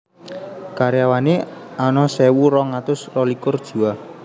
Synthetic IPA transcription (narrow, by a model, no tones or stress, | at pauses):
kaɾeawaneanɔsɛwuɾɔŋat̪ʊsrɔlikʊrd̥ʒ̥ṳwa